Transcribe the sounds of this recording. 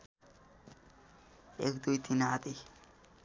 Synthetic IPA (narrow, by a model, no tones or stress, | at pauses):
ekd̪ujt̪inad̪i